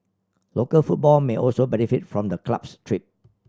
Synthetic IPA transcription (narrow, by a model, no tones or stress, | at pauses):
lokəlfut̚bɔlmeʔɔlsobɛnifitfɹɔ̃mdəkla̰pstʰɹip̚